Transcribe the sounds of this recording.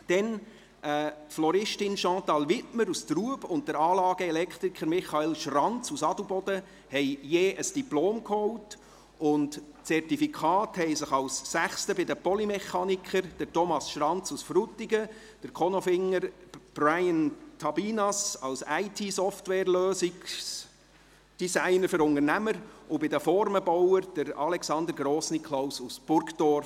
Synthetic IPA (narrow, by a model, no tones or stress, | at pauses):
d̥ɛn | ʔəːtflɔɾɪʃtɪnʃɑ̃ːtɑlʋɪtməɾustruəbʊnt̚dəɾɑːlɑːɡ̥əɛlɛkʰt̪ɾikʰχəɾmɪχɑɛlʃrɑnt͡susɑdubɔd̥ə | hɛɪjeːʔəsd̥iploːmkhɔwt | ʊnt | t͡sɛrtifikʰɑːthɛjsɪχɑwsːæχstəbɪdəpɔlimɛχɑːnikχəɾd̥əɾtɔmɑsʃɾɑnt͡susfɾutːiɡə | d̥əɾkʰɔnɔfɪŋːəɾb̥rajəntʰɑbiːnɑsɑwsæɪtʰiːsɔftwɛːɾløːsiks | d̥isæɪnəɾfəɾʊŋənæməɾʊbɪdəfɔɾməbɔwəɾd̥əɾɑlɛksɑnd̪əɾɡɾɔːsnikʰlawsusb̥ʊɾkdɔr